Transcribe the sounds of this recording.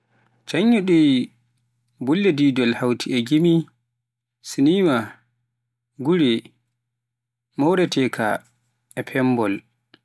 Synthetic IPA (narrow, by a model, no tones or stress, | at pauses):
t͡ʃaɲːuɗi | bulːɛdiːdɔlhawtʰiʔɛɡimi | siniːma | ɡuɾɛ | mɔwɾɛtɛkʰa̰ | ɛpʰɛmbɔl